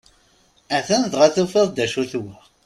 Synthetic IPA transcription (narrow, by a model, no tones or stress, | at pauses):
æθænðʁaθufeðˤd̪æʃuθwə